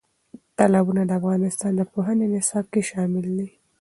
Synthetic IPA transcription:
t̪alɑbunad̪əafɣɑnɪst̪ɑnd̪əpoɦənenɪsɑb̚keʃɑmɪld̪i

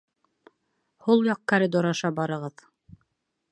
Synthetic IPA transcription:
hulˠjɑq̚kaɾɘd̪oɾɑʃɑbɑɾɤ̆ʁɤð

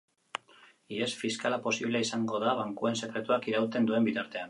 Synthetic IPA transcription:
iesfiskalapo̞siβ̞leisaŋɡo̞ðaβ̞aŋkue̞nse̞kɾe̞t̪uakiɾawt̪e̞nd̪ue̞mbit̪aɾt̪e̞an

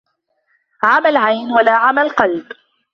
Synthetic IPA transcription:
ʕamalʕajnwalaːʕamalqɑlb

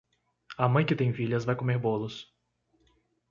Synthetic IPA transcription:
ɐmɐ̃j̃kɪt̪ẽj̃fiʎɐzvajkomeɾbolʊs

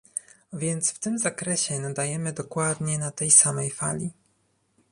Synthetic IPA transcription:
vʲjɛnt̪sft̪ɘmzakɾɛɕɛnad̪ajɛmɘd̪ɔkwad̪ɲɛnat̪ɛjsamɛjfa̰lʲi

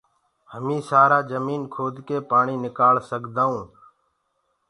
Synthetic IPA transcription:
həmĩːsaːɾaːd͡ʒəmiːnkʰoːd̪keːpaːɳiːnɪkaːlsəɠd̪aːũː

